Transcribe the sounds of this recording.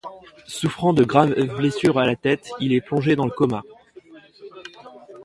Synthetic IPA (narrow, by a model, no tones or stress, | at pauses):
sufχɑ̃d̪əɡʁavblesyʁalat̪ɛt̪ilɛplɔ̃ʒed̪ɑ̃ləkɔma